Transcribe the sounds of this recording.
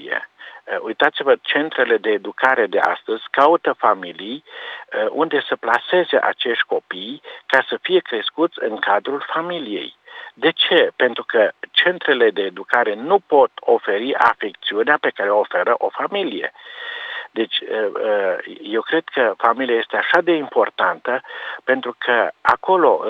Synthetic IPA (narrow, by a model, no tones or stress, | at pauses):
ijḛujt̪at̪sivət͡ʃe̞nt̪ɾe̞le̞d̪e̞ːd̪ukaɾe̞d̪e̞a̰st̪əzʲkaut̪əfamilijəʔund̪e̞səplase̞ze̞ʔa̰t͡ʃe̞ʃt̪̚ʲko̞pijkasəfije̞kɾe̞skut̪sʲɨŋkad̪ɾulfamilije̞̰jd̪e̞t͡ʃe̞pe̞nt̪ɾukət͡ʃe̞nt̪ɾe̞le̞d̪e̞ːd̪ukaɾe̞nupo̞t̪o̞fe̞ɾiʔa̰fek̚t̪siuneape̞kaɾeoofe̞ɾəʔo̞familije̞̰ | d̪e̞t͡ʃʲəje̞wkɾe̞d̪̥kəfamiliajest̪e̞aʃad̪e̞impo̞rt̪ant̪əpe̞nt̪ɾukʰəa̰ko̞lo̞